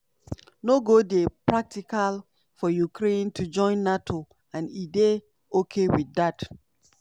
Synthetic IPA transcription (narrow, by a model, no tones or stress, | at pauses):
noɡodepɹak̚tikal | fɔjukɾẽntʰud͡ʒɔ̃ɪ̃nːatʰo | ãnide | okʰewidat